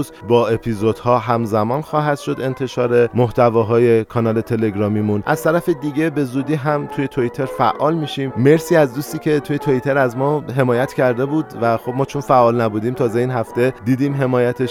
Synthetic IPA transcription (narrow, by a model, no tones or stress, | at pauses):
zbɒːe̞pʰizo̞d̪hɒːɦæmzæmɒːnxɒːɦæd̪̥ʃo̞d̪e̞nt̪ʰe̞ʃɒːɾe̞moht̪ʰævɒːɦɒːje̞kʰɒnɒːlet̪ʰe̞le̞ɡɾɒːmiːmunʔæ̰z̥t̪ʰæɾæfe̞d̪iːɟe̞be̞zuːd̪iːɦæmt̪ʰuːje̞t̪ʰoit̪ʰe̞ɾfæʔɒːlmiːʃiːmme̞ɾsiːæzd̪uːst̪iːcʰe̞t̪ʰuːjet̪ʰoit̪ʰe̞ɾæzmɒːɦe̞mɒːjæt̪ʰcʰæɾd̪e̞buːd̪væxo̞b̚mɒːt͡ʃʰonfæʔːɒːlnæbuːd̪iːmt̪ʰɒːze̞iːnhæft̪e̞d̪iːd̪iːmɦe̞mɒːjæt̪ʰeʃ